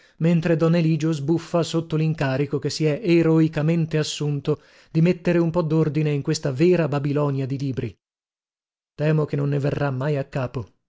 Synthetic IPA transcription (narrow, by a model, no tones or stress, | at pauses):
ment̪ɾed̪ɔnːeliːd͡ʒozbufːasot̪ːoliŋkaːɾikokesːiɛʔeɾoikament̪easːunt̪o | d̪̥imet̪ːeɾeumpɔd̪ːord̪ineiŋkwest̪avɛːɾababilɔnjad̪iliːbɾi | t̪ɛːmokenonːeverːamːajakːaːpo